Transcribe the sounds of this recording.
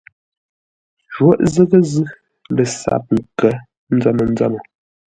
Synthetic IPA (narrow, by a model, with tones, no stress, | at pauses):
ʒwo˦ʔzə˦ɣə˦zɨ˦ | lə˨sa̰˨p̚ŋ̩˨kə˨˦ | n̩˦d͡za˦nə˨n̩˦d͡za˦nə˨